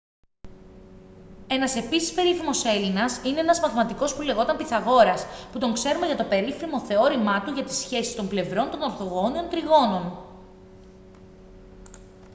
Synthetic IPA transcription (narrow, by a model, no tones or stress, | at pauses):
e̞nɐse̞pisi̥spe̞ɾiθimo̞se̞linɐsine̞enɐzmɐθmɐt̪iko̞spule̞ɣo̞t̪ɐmpiθɐɣo̞ɾɐsput̪o̞ŋkse̞ɾumeʝɐt̪o̞pe̞ɾifɾimo̞θe̞o̞ɾimɐt̪uʝɐt̪i̥sçe̞sist̪o̞mble̞vɾo̞nt̪o̞no̞ɾθo̞ɣo̞nio̞nt̪ɾiɣo̞no̞n